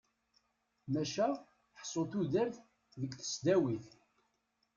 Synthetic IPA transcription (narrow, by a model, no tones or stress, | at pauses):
mæʃæ | ħsˤːoθuðæɾθ | ðəkθə̥sd̪æwiθ